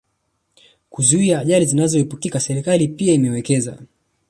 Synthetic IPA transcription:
kuzuiaːʄalizinazɔhipukikasɛɾikalipiaimɛwɛkɛza̰

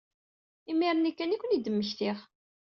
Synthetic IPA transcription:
imiɾˤənikːænikʷːənid̪əmːəçt̪ɪχ

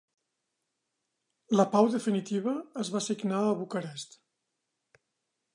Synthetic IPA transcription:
ləpawðəfinit̪iβ̞əːzβasiɡnaəβukəɾɛst̪

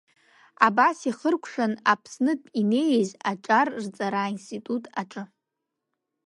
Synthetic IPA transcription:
abasiχərkʷʰʂʷᶣanapʰsnɨpʼine̞jzaʈ͡ʂʼarrt͡sʼaɾainstʼitʼutʼaʈ͡ʂʼɨ

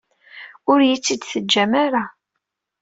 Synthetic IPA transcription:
ʊɾjit͡sːid̪θəd͡ʒːæmaɾa

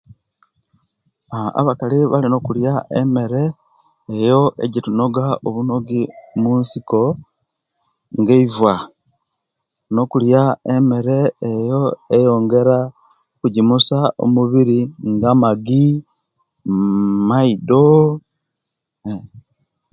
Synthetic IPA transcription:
a̰βakaliβalino̞kuljaʔeme̞ɾe̞ː | jo̞ʔḛɟituno̞ɡaoβuno̞ɡimunsiko̞ | ŋɡeivwa | no̞kuljaeme̞ɾe̞ːjo̞ejo̞ːŋɡe̞ɾa | kuɟimusao̰muβiɾiŋɡamaɡi | maido

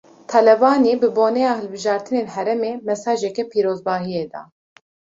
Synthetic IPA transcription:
t̪ʰɑlɛvɑːneːbɨboːnɛjɑːhɨlbɨʒɑːɾt̪ʰɨneːlɦɛɾɛmeːmɛsɑːʒɛkɛpʰiːɾoːzbɑːɦijeːd̪ɑ̰ː

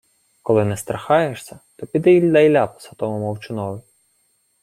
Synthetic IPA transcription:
kɔlˠɪnɛst̪ɾɐxɑjeʃsʲɐt̪ɔpʲid̪ɛilʲd̪ɐjlʲapɔ̥sɐt̪ɔmɔmɔwt͡ʃɪnɔʋɪ

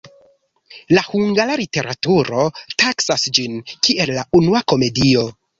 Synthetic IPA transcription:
lahuŋɡalalite̞ɾatuɾo̞taksasd͡ʒinkie̞lːaunuako̞me̞dio̞

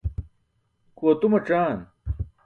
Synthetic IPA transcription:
kuɐt̪umɐʈ͡ʂaːn

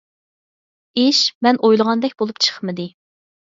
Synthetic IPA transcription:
eʃmɛnʔojlˠəʁɑnd̪ɛk̚ʲbolˠup̚t͡ʃʰə̥χmɨd̪ɪ

